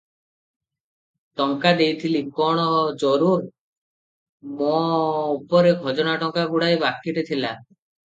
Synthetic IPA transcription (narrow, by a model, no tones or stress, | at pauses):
ʈɔŋkad̪ejt̪ʰilikɔɽ̃ɔd͡ʒɔɾuɾ | moupɔɾeɡʱɔd͡ʒɔnaʈɔŋkaɡuɽaebakːiʈet̪ʰila